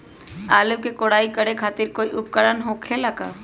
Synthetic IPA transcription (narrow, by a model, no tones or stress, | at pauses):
aːluʋkekoːɽaːikəɽekʰaːt̪ɪɾkoːiʔʊp̚kəɾənɦõːkʰelakaː